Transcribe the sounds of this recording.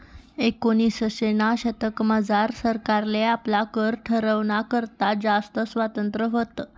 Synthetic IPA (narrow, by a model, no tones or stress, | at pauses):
ekoñisəɕenaɕət̪əkməd͡zaɾsəɾkaɾleaplakəɾʈʰəɾəʋnakəɾt̪ad͡zast̪əsʋat̪ənt̪ɾəɦot̪